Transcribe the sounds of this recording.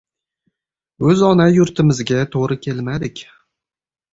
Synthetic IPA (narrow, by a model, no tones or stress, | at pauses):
ɵzɒnajʊɾt̪ʰɪmɪzɡʲat̪ʰoʁɾɪkʲʰe̞lmad̪ɪkʲ